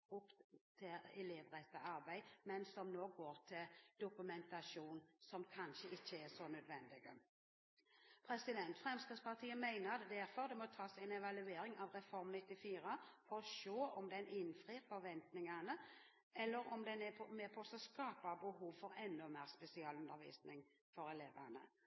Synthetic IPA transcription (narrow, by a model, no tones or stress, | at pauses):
ʊp̪t̪ʰɪlɛleːʋɾɛt̪ːəɑɾbæɪmɛnsɔmnoːɡoːɾt̪ʰɪld̪̥ʊkʉmɛnt̪ɑʃuːnsɔmkʰɑnʃəɪçːəɛsɔnœd̪ʋɛnd̪ɪɡə | pʰɾɛsɪd̪ɛnt̪fʁɛmskʁid̪spɑʁt̪ʰiːəmæɪnəɾɑt̪d̪æɾfɔɾd̪ɛmɔt̪ʰɑːsæɪnɛʋɑlʉeːɾɪŋɑʋɾɛfɔɾmnɪt̪ːɪfiːɾəfɔɾɔʃoːɔmd̪ɛnɪnfʁiːɾfɔʋɛnt̪nɪŋɑnə | ʔɛlːəɾɔmd̪ɛnɛpʰɔmeːpʰɔsɔskɑːp̚bɑbəɦuːʋfɔɾɛnːʊmeːʁspɛsɪɑːlʉnd̪əɾʋḭːsnɪŋ | fɔɾɛleːʋənə̰